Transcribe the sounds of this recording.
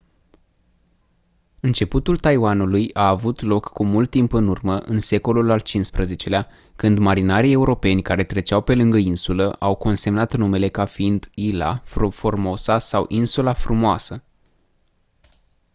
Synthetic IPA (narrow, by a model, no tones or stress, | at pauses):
ɨnt͡ʃe̞put̪ult̪ajwanulujaːvut̪lo̞kːumult̪ːimpɨnurməʔɨnse̞ko̞lulalt͡ʃinspɾəze̞t͡ʃe̞lea | kɨnd̪maɾinaɾije̞uɾo̞pe̞nʲkaɾe̞t̪ɾe̞t͡ʃawpe̞lɨŋɡəinsuləʔawko̞nse̞mnat̪nume̞le̞kafiind̪ila̰ffo̞rmosasawʔinsulafɾumoasə